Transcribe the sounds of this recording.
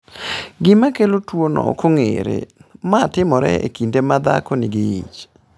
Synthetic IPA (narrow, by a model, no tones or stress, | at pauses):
ɡɪmakelotwonɔ̰koŋḛɾḛmatɪmɔɾɛ̰ḛkindemad̪a̰konɪɡɪḭt͡ʃ